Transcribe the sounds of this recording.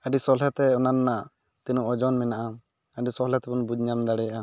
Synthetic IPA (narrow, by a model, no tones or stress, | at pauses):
aɖisɔlɛt̪ɛɔnanːaʔ | t̪ɛnuʔɔd͡ʒɔnmɛnaʔa | əɖisɔlɛt̪ɛbunbud͡ʒɲamd̪aɽɛjaʔa